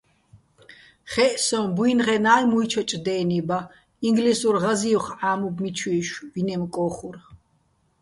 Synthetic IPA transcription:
χɛʔsɔ̃bwinʁɛnaːjmuit͡ʃʰɔt͡ʃʼd̪ɛːniba | iŋɡlisuɾʁaziuχaːmubmit͡ʃʰwiːʃbinɛmkʼɔːχuɾ

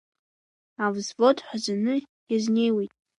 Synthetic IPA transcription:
avzvotʰʼħʷazanɨ | jaznejwejtʼ

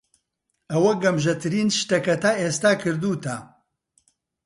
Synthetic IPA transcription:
ɐwɐɡɐmʒɐt̪ʰɨɾiːnʃt̪ɐkɐt̪aːʔeːst̪aːkʰɨɾd̪uːt̪ʰɐ

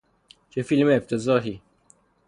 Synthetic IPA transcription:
t͡ʃʰefilmeːft̪ʰezɒːɦiː

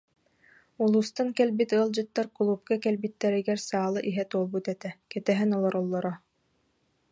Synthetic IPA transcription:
ulˠuːst̪aŋkɛlbit̪ɯɐlˠd͡ʑɯt̪ːaɾkulˠuːp̚kakɛlbit̪ːɛɾiɡɛɾsaːlˠɯʔiɦɛt̪uɔlˠbut̪ɛt̪ɛkɛt̪ɛɦɛnɔlˠɔɾɔlˠːɔɾɔ

